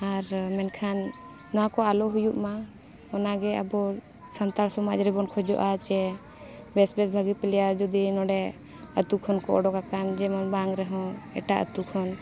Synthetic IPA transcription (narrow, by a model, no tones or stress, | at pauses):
aɾmɛnkʰanː | ɔakɔalɔɦujuʔma | ɔnaɡɛə̰bɔ | sant̪aɾsɔmad͡ʒɾɛbɔnkʰɔd͡ʒɔ̰ʔat͡ʃɛ | bɛsbɛsbʱaɡipɛlɛjaɾd͡ʒud̪inɔɖɛ | ət̪ukʰɔnkɔʔɔɖɔkakand͡ʒɛmɔnbaŋɾɛɦɔ̃ɛ̰ʈaʔə̰t̪ukʰɔn